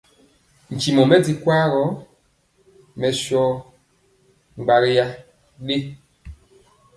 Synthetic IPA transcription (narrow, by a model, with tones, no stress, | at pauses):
n̩˨t͡ʃi˨mɔ˨mɛ˦d͡zi˨kwa˦ɾɔ˨˦ | mɛ˨ʃɔ˦ | ŋ͡mɡ͡ba˨ɾja˦ | ɗe˦